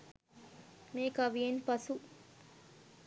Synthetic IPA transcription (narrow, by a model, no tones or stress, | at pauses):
meːkɐʋijenpɐsu